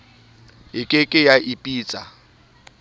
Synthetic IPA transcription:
ɦɪkʼɪkʼɪjaʔipʼiːt͡sʼa

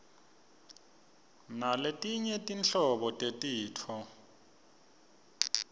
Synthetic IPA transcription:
naletʼiɲɛtʼint͡ɬɔɓɔtʼetʼiːtʰɔ

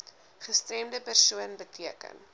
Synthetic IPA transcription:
χəstrɛmdəpærsuənbətiəkə̰n

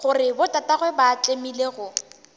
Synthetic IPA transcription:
χʊrɪbʊtataɣwɛbat͡ɬʼemileɣʊ

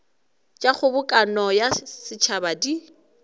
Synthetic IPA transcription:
t͡ʃʼaχʊbʊkʼanɔjasɪt͡ʃʰabadi

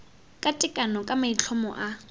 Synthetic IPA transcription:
kʼatʼɪkʼanɔkʼamait͡ɬʰɔmɔ̰ʔa

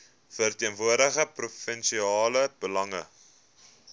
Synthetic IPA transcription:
fərtiənvuərdəχəprufənʃiɑːləb̥əlɐŋə̰

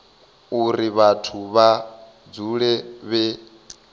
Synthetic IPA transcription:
uɾiβatʰuβa | d͡zuɺɛβɛ

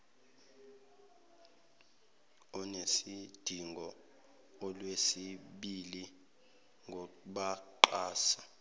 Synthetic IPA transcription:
ɔnesid̥ʱiŋɡʱɔ | ɔlwesiɓili | ŋɡʱɔkuɓaǃaːsa

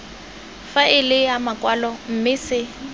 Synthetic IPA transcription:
faʔɪlɪjamakʼwalɔm̩mɪsɪ

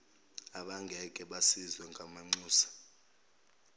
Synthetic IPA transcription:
aɓaŋɡʱɛkʼɛɓasizwɛŋɡʱamaŋ͡ǀuːsḁ

